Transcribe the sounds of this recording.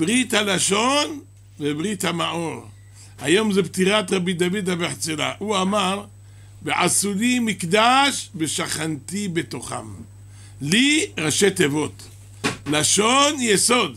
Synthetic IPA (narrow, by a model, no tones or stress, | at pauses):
b̥ʁit̪halaʃo̞n | vebʁit̪hamaʔo̞ʁ | ha̰jo̞mzebt̪iʁat̪ʁabid̪avid̪abeħt͡sela̰huamaʁ | beʕasulimikd̪aʃbeʃaχant̪ibet̪o̞χa̰m | liʁaʃet̪evo̞t̪ | laʃo̞njeso̞d̪